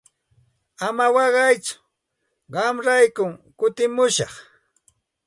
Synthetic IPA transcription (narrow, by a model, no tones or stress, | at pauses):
amawɑɢɑjt͡sʊ̥ | ɢɑmɾajkʊŋkʊt̪ɪmʊʃɑ̰χ